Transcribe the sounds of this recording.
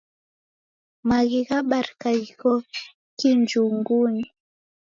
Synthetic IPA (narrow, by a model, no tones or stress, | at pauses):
maɣiɣaɓaɾkaikɔ | kind͡ʒuŋɡuni